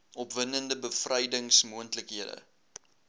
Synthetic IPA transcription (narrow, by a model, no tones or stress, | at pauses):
ʔɔpvənəndəbəfrɐjdəŋsmuəntləkɦiədə̰